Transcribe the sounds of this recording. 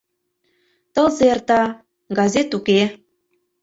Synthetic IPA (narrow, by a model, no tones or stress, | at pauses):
t̪ɤ̆lzert̪ɑ | ɡɑzʲet̪uke